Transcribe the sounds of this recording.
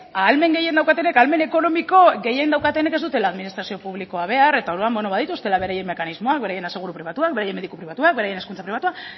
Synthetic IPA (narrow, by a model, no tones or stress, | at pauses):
alme̞ŋɡe̞je̞nd̪awkat̪e̞ne̞kalme̞ne̞ko̞no̞miko̞ɡe̞jend̪awkat̪ene̞ke̞zd̪ut̪e̞laːðminist̪ɾasio̞puβ̞liko̞aβ̞e̞aɾe̞t̪ao̞ɾuambo̞no̞βaðit̪ust̪e̞laβe̞ɾaje̞mːe̞kanizmo̞ak̚be̞ɾaje̞nese̞ɣ̞uɾupɾiβat̪uakbe̞ɾaje̞me̞ðikupɾiβat̪uak̚be̞ɾaje̞ne̞skunt͡sapɾiβat̪ua